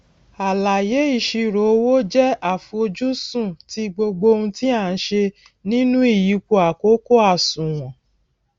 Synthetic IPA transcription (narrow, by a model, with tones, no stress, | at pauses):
a˨la˨je˨˦i˦˨ʃi˧ɾo˨˦wo˦d͡ʒɛ˦a˦˨fũ˧o˧d͡ʒu˦sũ˦˨ti˧ɡ͡bo˧ɡ͡bo˧ũ˧ti˦a˦˨n̩˦ʃe˧ | nĩ˦nũ˦i˦˨ji˨˦ko˧˦a˨ko˨˦ko˦a˦˨sũ˨w̃ɔ̃˨